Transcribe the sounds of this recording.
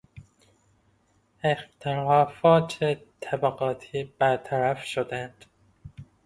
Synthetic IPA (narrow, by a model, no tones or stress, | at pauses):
ext̪ʰeɾɒːfɒːt̪ʰet̪ʰæbæɡɒːt̪ʰiːb̥æɾt̪ʰæɾæfʃod̪ænd̪̥